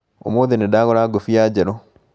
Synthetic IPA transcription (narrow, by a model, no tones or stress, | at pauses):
o̰moːðenedaːɣɔɾaːɡofiaːd͡ʒɛɾɔ